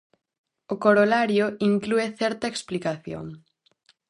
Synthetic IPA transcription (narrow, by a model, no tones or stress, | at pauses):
okoɾolaɾjoiŋklueθɛɾt̪ɐeksplikaθjo̰ŋ